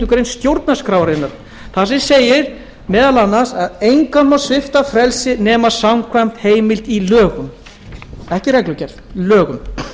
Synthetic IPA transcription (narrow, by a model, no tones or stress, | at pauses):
ʏkɾejnst̪jowɾt̪naskɾawɾɪnːaɾ̥ | θasɛmseːjɪɾ̥ | mɛːðalanːasaðejŋkanmasvɪft̪afɾɛlsɪnɛːmasamkʰvajm̥t̪heːjmɪlt̪ilœːɣʏm | ɛhcɪɾɛklʏcɛɾðlœːɣʏm